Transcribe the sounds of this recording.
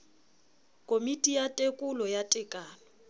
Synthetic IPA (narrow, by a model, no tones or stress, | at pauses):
kʼomitʼijatʼekʼʊlɔjatʼɪkʼaːnɔ